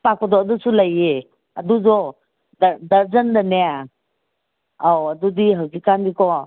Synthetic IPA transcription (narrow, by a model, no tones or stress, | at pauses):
pakɔdɔɐdusulaje | ɐduzɔ | ddɐɾzəndaneja | awɐdudiɦawsikanbikɔ